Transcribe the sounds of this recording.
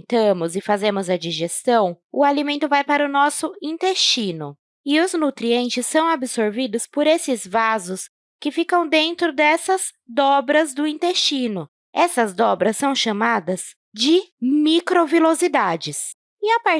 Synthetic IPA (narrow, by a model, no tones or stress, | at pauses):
t̪ɐ̃mʊzɪfazẽmʊzɐd͡ʒiʒest̪ɐ̃w̃ʊalimẽnt̪ʊvajpaɾʊnɔsʊĩnt̪est͡ʃinʊ | ɪʊznut̪ɾiẽnt͡ʃɪsːɐ̃w̃abɪsoɾvid̪ʊspoɾesɪzvazʊs | kɪfikɐ̃w̃d̪ẽnt̪ɾʊd̪ɛsɐz | d̪ɔbɾɐzd̪ʊĩnt̪est͡ʃinʊ | ɛsɐzd̪ɔbɾɐsːɐ̃w̃ʃamad̪ɐz | d͡ʒɪmikɾovilozid̪ad͡ʒɪs | ɪapaɾ